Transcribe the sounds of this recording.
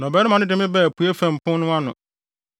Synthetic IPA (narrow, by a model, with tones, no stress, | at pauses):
nɔ̃˨bɛː˨˦ɾɪ˦mã˨nɪ̃˦dɪ˨˦mɪ̃˦bɛ˦˨pʰu˨˦e˦fæ̃˨m̩˨pʰʊ̃˦nʊ̃˦a˦nʊ̰̃˨